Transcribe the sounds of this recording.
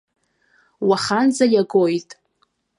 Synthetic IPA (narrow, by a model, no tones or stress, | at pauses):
waχand͡zajaɡo̞jtʼ